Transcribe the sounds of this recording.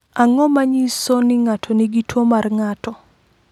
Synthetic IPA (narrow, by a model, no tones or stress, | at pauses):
aŋɔmaɲisɔnɪŋatʰɔniɡitwomarŋatɔ